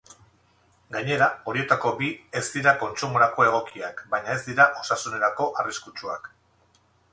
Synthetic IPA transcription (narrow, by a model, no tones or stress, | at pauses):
ɡaɲe̞ɾao̞ɾie̞t̪ako̞bie̞zd̪iɾako̞nt͡sumo̞ɾako̞e̞ɣ̞o̞kiakbaɲae̞zd̪iɾaʔo̞sasune̞ɾako̞ʔariskut͡ʃua̰k